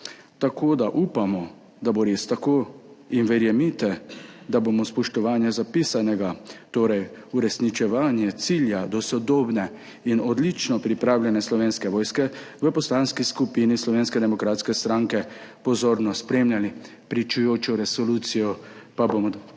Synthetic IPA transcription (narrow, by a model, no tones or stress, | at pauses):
t̪akʰod̪aʔupamɔ | d̪aboɾest̪akoːinʋɛɾjɛmit̪ɛd̪abomɔspɔʃt̪ɔʋaːnjɛzapisanɛɡat̪oːɾɛjuɾɛsnit͡ʃɛʋaːnjɛt̪siljad̪ɔsɔd̪oːbnɛ | inɔd̪lit͡ʃnɔpɾipɾaːwljɛnɛslɔʋeːnskɛʋɔːjskɛʋəpɔslanskiskupinislɔʋeːnskɛd̪ɛmɔkɾaːt̪skɛst̪ɾaŋkɛpɔzoːɾnɔspɾemjʲali | pɾit͡ʃujoːt͡ʃɔɾɛsɔlut̪sijɔpabomɔ